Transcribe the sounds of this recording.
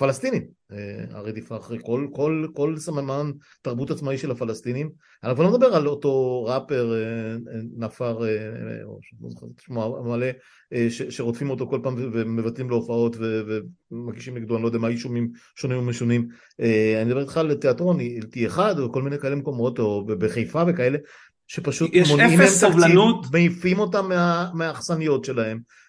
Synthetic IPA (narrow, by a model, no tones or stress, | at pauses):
falast̪inimea̰ʁet̪ifaχekolkolko̞lsamaman | taʁbutat͡smaiʃe̞lafalast̪inim | anauvaʁomed̪abe̞ʁalo̞to̞ʁape̞ʁenafaʁḛo̰ʃo̰atʃmoamale̞ | eʃeʃe̞ʁo̞tfimo̞to̞ko̞lpaːmvevemevatlimleofao̞tvevemaʁɡiʃimlekd̪ulanilojd̪ɛamaːjiʃomim | ʃonimomeʃonim | ʔeanid̪abetχalete̞atʁo̞niiltieχad̪veko̞lminejkaelemeko̞mo̞to̞bebeχejfave̞kae̞le̞ | ʃe̞paʃut̪monimeemt̪aklinut̪meifimo̞tamːeameaːχsanijo̞tʃe̞lahe̞m